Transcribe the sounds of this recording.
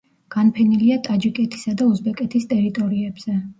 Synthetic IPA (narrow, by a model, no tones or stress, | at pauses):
ɡ̥anpʰɛniliat̪ʼad͡ʒikʼɛt̪ʰi̥sad̪auzbɛkʼɛt̪ʰist̪ʼɛɾit̪ʼɔɾiɛbz̥ɛ